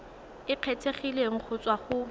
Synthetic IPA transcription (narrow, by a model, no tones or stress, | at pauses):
ɪq͡χʰetʰeχileŋ̩k͡xʰʊt͡sʼwaχʊ